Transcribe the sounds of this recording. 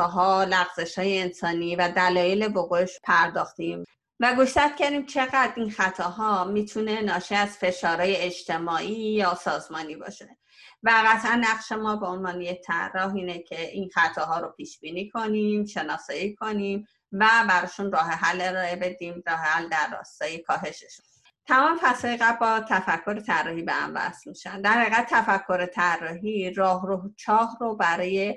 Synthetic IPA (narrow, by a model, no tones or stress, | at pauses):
ɒːɦɒːlæɣz̥e̞ʃhɒːjeensɒːniːvæd̪ælɒːjele̞boɣoeʃpʰæɾd̪ɒːxt̪im | væɡuʃt̪æt̪̚cæɾd̪iːmt͡ʃʰe̞ɣæd̪ɾinxæt̪ʰɒːɦɒːmiːt̪ʰune̞nɒːʃiæz̥fe̞ʃɒːɾɒːje̞ed͡ʒt̪ʰe̞mɒːʔiːjɒːsɒːzmɒːniːbɒ̰ːʃe̞ | væɣæt̪ʰʔænːæɣʃemɒːbe̞o̞nvɒːneje̞c̚t̪ʰæ̰rːɒːɦiːnecʰe̞ʔinxæt̪ʰɒːɦɒːɾopʰiːʃbiːniːkʰo̞nimʃe̞nɒːsɒːikʰo̞niːm | væbæɾɒːʃunrɒːɦe̞ɦælːe̞ɾɒːe̞be̞d̪iːmɾɒːhe̞hæld̪æɾːɒ̰ːst̪ɒːjekʰɒːɦe̞ʃeʃu̥n | t̪ʰæmɒːmefæsɒːjeɣæbbɒt̪ʰæfækʰːo̞ɾet̪ʰærːɒːhibehæ̰mbæ̰st̪miʃænd̪æɾhæiɣædt̪̚t̪ːʰæfækʰːo̞ɾet̪ʰærːɒːɦiɾɒːhɾoht͡ʃʰɒːhrobæɾɒːje̞